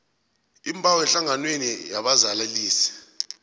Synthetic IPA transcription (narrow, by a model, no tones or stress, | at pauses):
imbʱʼawɛnɬaŋanwenijaɓazalaliːsi̥